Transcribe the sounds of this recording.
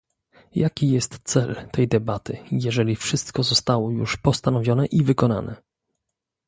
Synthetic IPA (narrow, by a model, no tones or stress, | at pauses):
jakʲijɛst̪t̪sɛlt̪ɛjd̪ɛbat̪ɘjɛʐɛlʲifʂɘst̪kɔzɔst̪awɔjṵʂpɔst̪anɔvʲjɔnɛʔivɘkɔna̰nɛ̰